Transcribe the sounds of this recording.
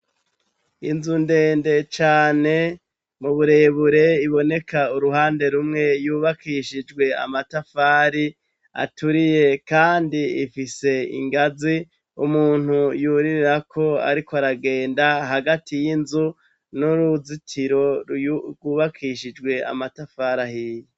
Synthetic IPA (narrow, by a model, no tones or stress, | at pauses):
inzunde̞ːnde̞t͡ʃaːne̞ | muβuɾe̞βuɾe̞iβo̞ne̞kauɾuɦaːnde̞ɾumŋe̞juːβakiʃid͡ʒɡwe̞a̰matafaːɾi | a̰tuɾije̞kaːndiifise̞ḭŋɡazi | umuːn̥hujuɾiɾɾakʰo̞a̰ɾikʰoaɾaɡe̞ːndaɦaɡatʰijinzu | nuɾuzitʰiɾo̞ | ɡwuːβakʰiʃid͡ʒɡwe̞a̰matafaːɾahiːje